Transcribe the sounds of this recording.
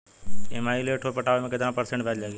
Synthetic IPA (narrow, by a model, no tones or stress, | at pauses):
ḛmaːileːʈʰopəʈaːʋemẽːkəd̪ãːpəɾsẽɳʈbʱɛd͡ʒlaːɡi